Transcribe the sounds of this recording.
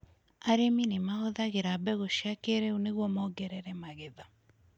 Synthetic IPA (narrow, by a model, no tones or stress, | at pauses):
aɾeminemaoðaɣeɾabɛɣoʃjakeɾɛuneɣwɔmɔɡɛɾɛɾɛmaɣeða